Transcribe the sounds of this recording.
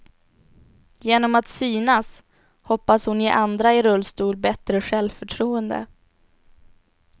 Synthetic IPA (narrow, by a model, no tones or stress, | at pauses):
jeːnɔmat̪syːnas | hɔpːashʊnjɪʔand̪ɾaɪɾɵlːst̪uːlbɛt̪ɾəɧɛlvfœʈʰɾuːənd̪ə̰